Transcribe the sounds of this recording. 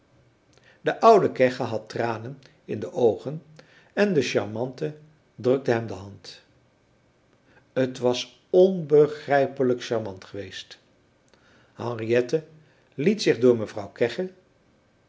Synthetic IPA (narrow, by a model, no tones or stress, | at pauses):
dəʔʌwdəkɛχəɦɑtraːnən | ɪndəʔowχən | ɛndəʃɑ̰ɹmɑntə | drɵk̚dəɦɛmdəɦɑnt | ətʋɑs | ɔnbəχrɛjpələkʃɑɹmɑntχəʋejst | hɑ̃ŋrijɛtə | litsɪχdʊːɹməvrʌwkɛχə